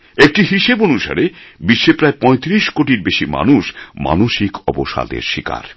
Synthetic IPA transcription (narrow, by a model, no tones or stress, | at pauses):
ek̚ʈiɦiʃebonuʃa̰ɾebiʃːepɾaepɔet̪ɾiʃkoʈiɾbeʃima̰nuʃma̰noʃikʰɔboʃa̰d̪ḛɾʃika̰ɾ